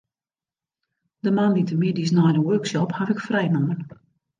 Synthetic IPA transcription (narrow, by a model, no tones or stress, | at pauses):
dəmanditəmɪdis̬najdəøːksjɔphafɪkfrɛjnɔmən